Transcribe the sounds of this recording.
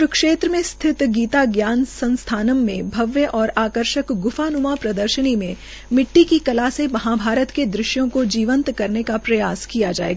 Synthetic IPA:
ɾʊkʃeːt̪ɾəmẽst̪ʰɪt̪ɡiːt̪aɡjaːnsɐ̃nst̪ʰaːnəmːẽbʱɐʋjəʔɔːɾaːkəɾʃəkɡʊfaːnʊmapɾɐd̪əɾʃənimẽ | mɪʈːikikɐlaːsẽmɐɦabʱaːɾət̪ked̪ɾɪʃjõkod͡ʒiːʋə̃nt̪kɐɾnekapɾɐjaːskijad͡ʒa̰ːḛːɡaː

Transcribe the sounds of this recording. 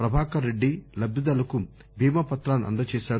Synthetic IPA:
pɾɐbʱaːkɐɾeɖːilɐbd̪ɐd̪ɐlɐku | bʱiːmɐpɐt̪ɾaːnɐ̰nd̪ɐt͡ʃɛːʃaːɾ

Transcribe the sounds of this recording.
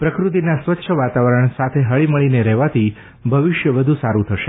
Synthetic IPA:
pɾəkɾut̪̬inasʋətːʃʰəʋat̪aʋəɾəɳ̃sat̪ʰeɦəɭiməɭineɾɛɦʋat̪ʰi | bʱəʋɪʃjəʋəd̪ʱũsaɾũt̪ʰəʃe

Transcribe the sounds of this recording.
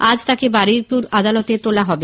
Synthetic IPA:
ad͡ʑt̪akebaɾiɾpuɾad̪alot̪et̪olaɦɔbe

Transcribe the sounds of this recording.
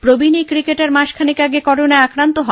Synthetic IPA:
pɾobʱinikɾikeʈaɾmaʃkʰanikaɡekɔʈonaeakɾant̪oɦɔ

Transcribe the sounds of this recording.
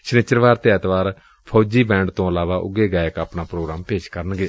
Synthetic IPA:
ʃnɪt͡ʃəɾʋaːɾt̪eːət̪ʋaːɾ | pʰoːd͡ʒiːbɛ̃ːɳɖt̪õːəlaːʋaːʔʊ̰ɡeːɡaːjəkaːpnaːpɾoːɡɾaːmpeːʃkəɾənɡeː

